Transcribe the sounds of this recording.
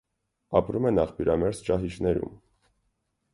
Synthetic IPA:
ɑpɾumɛnɑχpʰjuɾɑmɛɾzt͡ʃɑɦit͡ʃnɛɾṵm

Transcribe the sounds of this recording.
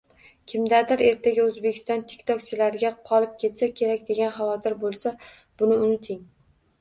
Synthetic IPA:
kʲʰɪmd̪aɾd̪ɪɾe̞ɾt̪ʰaɡʲaɵzbekʲʰɪ̥st̪ɒnt̪ʰe̥kʲt̪ʰɒk̚ʲt͡ʃʰɪlaɾɪɡʲaqʰɒlˠɪp̚kʲʰe̞t̪sakʲʰe̞ɾakʲd̪e̞ɡʲanɦavɒt̪ʰɪɾbolˠsa | b̥ʊnɪʊnɪt̪ʰɪŋ

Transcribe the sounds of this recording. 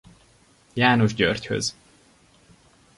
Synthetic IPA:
jaːnoʒɟø̰rchø̰z

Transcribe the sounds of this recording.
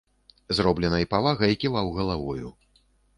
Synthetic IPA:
zɾɔblʲɛnɐjipavaɣɐjikʲivawɣɐlˠavɔjṵ

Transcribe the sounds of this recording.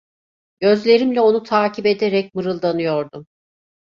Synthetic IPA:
ɟ̥ø̞zlʲe̞ɾimlʲɛo̞nut̪ʰaːcʰibe̞d̪eɾɛc̚mɯɾɯlˠd̪anɯjo̞ɾd̪um

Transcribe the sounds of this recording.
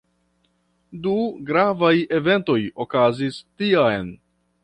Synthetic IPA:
duɡɾavaje̞ve̞nto̞jokazistiajn

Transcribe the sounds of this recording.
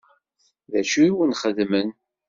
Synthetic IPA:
ðæʃiwənχəðmən

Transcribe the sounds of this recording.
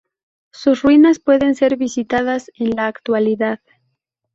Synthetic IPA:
susrwinaspwe̞ðe̞nse̞ɾβisit̪að̞ase̞nlaːkt̪waliðað

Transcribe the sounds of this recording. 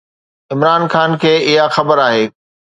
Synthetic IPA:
ɪmɾaːnxaːnkʰeːɪɦaxɐbəɾaːɦeː

